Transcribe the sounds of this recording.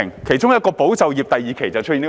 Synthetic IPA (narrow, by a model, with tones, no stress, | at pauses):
ŋkʰe˨˩jt͡sʊ˥ŋjɐ˥t̚kɔː˧po˨˥wt͡sɐ˨wjiː˨p̚t̪ɐ˨˧jiː˨˧kʰe˨˩jt͡sɐ˨wt͡ʃ̚ʰiː˨nː˥